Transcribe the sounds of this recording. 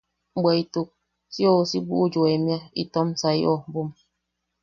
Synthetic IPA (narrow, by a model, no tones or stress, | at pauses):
ŋ͡m̩ɡ͡beitok̚ | siɔsiɡ͡bud͡ʒoemjaḭtɔmsaḭɔbum